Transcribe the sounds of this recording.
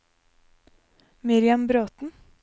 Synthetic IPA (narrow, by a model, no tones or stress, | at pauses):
mɪɾɪɑmbɾoːt̪n̩